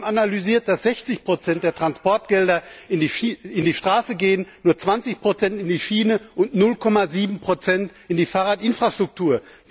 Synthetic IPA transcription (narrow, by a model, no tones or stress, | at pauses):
manalyziːɐt̚d̥asz̥ɛçt͡sɪçpʁ̥ot͡sɛntd̥eːɐtʁ̥anspɔɐt̚ɡ̥ɛldɐɪniɪndiːʃtʁ̥aːsəɡeːənːuːɐt͡sv̥ant͡sɪçpʁ̥ot͡sɛntɪndiːʃiːnəʔʊntnʊlkʰɔmaziːbm̩pʁ̥ot͡sɛntʔɪndiːfaːʁaːtʔɪnfʁ̥aʃtʁ̥ʊk̚tʰuːɐ